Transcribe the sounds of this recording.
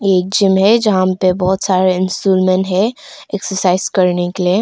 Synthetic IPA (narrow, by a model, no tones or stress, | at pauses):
eːk̚d͡ʒɪmɦɛd͡ʒɐɦãpebɔɦʊt̪saːɾeɪnsʈuːlmẽnʈɦɛeksəɾsaːɪzkɐɾnekelie